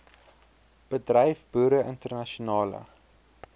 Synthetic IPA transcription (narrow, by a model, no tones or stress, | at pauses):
b̥ədrɛjfbuːɾəʔəntərnɐʃunɑːlə̰